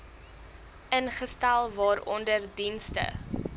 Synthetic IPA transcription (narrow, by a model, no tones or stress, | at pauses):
ʔənχəstælˠvɑːɾɔ̰ndərdinstə̰